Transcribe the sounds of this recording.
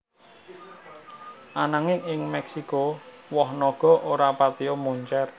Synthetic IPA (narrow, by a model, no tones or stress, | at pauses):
ʔanaŋɪŋɪŋmɛksikowɔhnɔɡ̥ɔ̤ʔoɾapat̪iomuɲt͡ʃɛr